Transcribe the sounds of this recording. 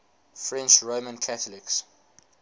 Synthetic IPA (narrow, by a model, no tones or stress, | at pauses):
fɹɛ̃nt͡ʃɹomə̃nkʰatəlɪks